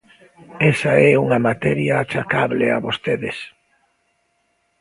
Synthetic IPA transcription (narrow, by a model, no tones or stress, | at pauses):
ɛsaɛuŋɐmat̪ɛɾjaat͡ʃakaβlea̰βost̪eðes